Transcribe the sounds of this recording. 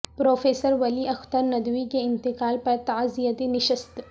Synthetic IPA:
pɾoːfeːsəɾʋɐliʔɐxt̪əɾnɐd̪wikeɪ̃nt̪ɪkaːlpɐɾt̪ɐzijət̪enɪʃəst̪

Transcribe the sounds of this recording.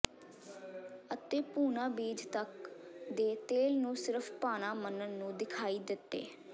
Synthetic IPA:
ət̪eːpuːnãːbiːd͡ʒt̪əkd̪eːt̪eːlnũːsɪɾəpʰpaːnaːmənənːũːd̪ɪkʰaːiːd̪ɪt̪ːḛː

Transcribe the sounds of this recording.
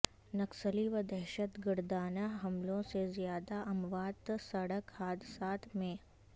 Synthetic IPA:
nɐksəliʋəd̪ɛɦʃət̪ɡɪɾd̪aːnaɦɐmlõsezjaːd̪aʔɐmʋaːd̪sɐɽəkhaːd̪saːt̪ʰmẽː

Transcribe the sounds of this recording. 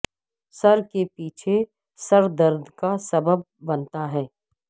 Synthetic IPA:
sɐɾkepiːt͡ʃʰe | sɐɾd̪əɾd̪ʱkasɐbəb̚ːɐnt̪aɦɛː

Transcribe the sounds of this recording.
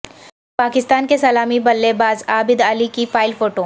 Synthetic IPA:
paːkɪst̪aːnkesɐlaːmibɐlːebaːzaːbɪd̪alikifaːɪlfoːʈoː

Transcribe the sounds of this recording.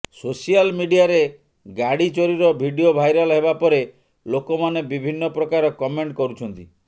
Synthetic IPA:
sosialmiɖiaɾe | ɡaɽit͡ʃoɾiɾɔbʱiɖiobʱajɾalɦebapɔɾe | lokɔmanebibʱinːɔpɾɔkaɾɔkɔmeɳʈkɔɾut͡ʃʰɔnt̪i

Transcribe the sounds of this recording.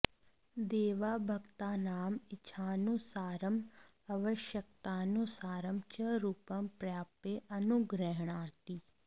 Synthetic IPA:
d̪eːʋaːbʱəɡt̪aːnaːmɪt͡ʃʰaːnũsaːɾəm | əʋəʃjəkt̪aːnũsaːɾəmt͡ʃəɾuːpəmpɾjaːpeːʔənuɡɾɛɦɳãːt̪iː

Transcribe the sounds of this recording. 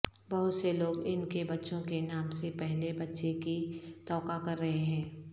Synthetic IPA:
bɐɦʊt̪seloːɡɪnkebɐtːʃõkenaːmsepɛɦlebɐtːʃekit̪ɔːkakɐɾːɐɦeɦɛ̃ː

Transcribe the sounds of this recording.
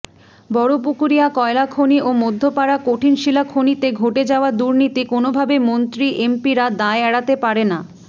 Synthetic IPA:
bɔɽopukuɾijakɔelakʰoniʔomod̪ʱːopaɾakoʈʰinʃilakʰonit̪eɡʱoʈed͡ʑaoad̪uɾnit̪ikonobʱabemont̪ɾiʔempiɾad̪aeɛɽat̪epaɾena

